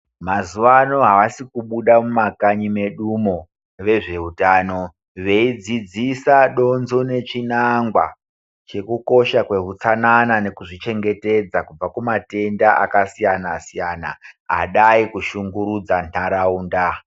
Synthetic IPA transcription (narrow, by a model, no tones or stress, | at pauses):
mazuʋano̞ɦaʋasikuɓuɗamumakaɲime̞ɗumo̞ | ʋe̞ʐe̞utaːno̞ | ʋe̞id͡zid͡zisaɗo̞nzo̞ne̞t͡ʃinaŋɡwa̰ | t͡ʃe̞kuko̞ʃakwe̞ɦut͡sananane̞kuʐit͡ʃe̞ŋɡe̞te̞d͡zakub͡vakumate̞ndaa̰kasijanasijana̰ɦa̰ɗaikuʃuŋɡuɾud͡zanaɾauːnda